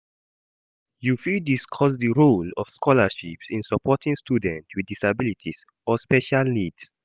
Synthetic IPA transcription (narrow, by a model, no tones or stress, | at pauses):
jufidiskʰɔsdəɹolɔ̰fskʰɔləʃipsĩnsəpʰɔtʰĩŋstʰudɛ̃ntwiddisabilitʰis | ɔspɛʃalnids